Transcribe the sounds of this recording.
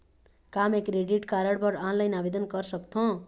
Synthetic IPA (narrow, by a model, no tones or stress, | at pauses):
kamekɾeɖiʈkaɾʌɽbʌɽanlajnabed̪ʌnɡʌrsʌkt̪ʰõ